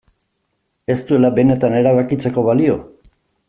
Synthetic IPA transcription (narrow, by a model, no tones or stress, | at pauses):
e̞st̪ue̞labe̞ne̞t̪ane̞ɾaβakit͡se̞ko̞βalio̞